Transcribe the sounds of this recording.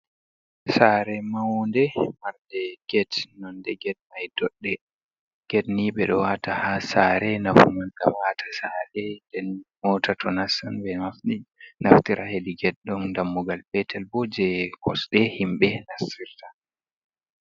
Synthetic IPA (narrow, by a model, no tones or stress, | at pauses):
saɾɛmawɔndɛmaɾdɛɡ̥ɛtnɔndɛɡɛt̚majdɔɗːɛ | ɡ̥ɛtniɓɛɗɔwatahasaɾɛnafumankamwatʰḁsaɾɛndɛnmɔtatʰɔnasanbɛnafinaftiɾʔahediɡɛt̚ɗɔmndamːuɡalbɛtʰɛlbɔd͡ʒɛkʰɔsɗɛhimɓɛnasiɾta